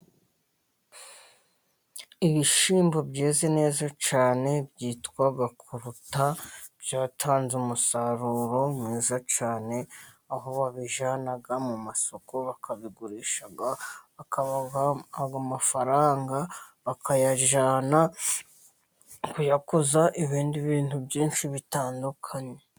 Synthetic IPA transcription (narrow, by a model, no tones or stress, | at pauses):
iβiʃiːmbo̞bɟeːze̞ne̞ːzat͡ʃaːne̞bjiːtkwaɡakʰuɾutabjaːtʰaːnzumusaɾuːɾo̞mŋiːzat͡ʃaːne̞ | aɦo̞βaβiʒaːnaɡamumaso̞ko̞βakʰaβiɡuɾiːʃaɡaβakaβaɡaɡamafaɾaːŋɡaβakʰajaʒaːna | kujakozaʔiβiːndiβiːntubjiːnʃiβitaːndukʰaɲe